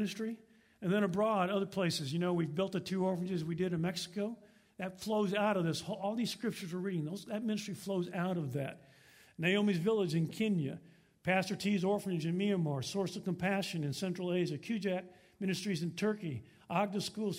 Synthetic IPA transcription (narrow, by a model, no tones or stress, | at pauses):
nɨstɹ̥i | ɨ̃nðɨ̃ɾ̃ɨbɹɔɾʌðə˞pʰl̥eɪsɨzjɨnoʊwivbɪlˠt̪̚ðɨtʰʉɔɹfɹɨ̃nd͡ʒɨzwidɨɾɨ̃nmɛksɨ̥koʊ | ðɨtfloʊzaʊɾʌvðɪsɔlˠðiz̥skɹɪp̚t͡ʃə˞zə˞ɹiɾɪ̃ŋðoʊzðɨt̚mɪ̃nɨstɹ̥ifloʊzaʊɾʌvðɨt̚ | neɪõʊmizvɪlˠɪd͡ʒɨ̃nkʰɪ̃njɨ̰ | pʰæstə˞tʰizɔɹfɨ̃nd͡ʒɨ̃nmiɨ̃nmɑɹsɔɹsʌv̥kmpʰæʃɨ̃nɨ̃nsɛ̃nt͡ʃɹ̥l̩ˠeɪʒɨkʰj̥ʉd͡ʒæk̚ | mɪ̃ñɨstɹ̥izɨ̃ntʰɜ˞ki | ʔɑɡ̚dɨskulˠz̥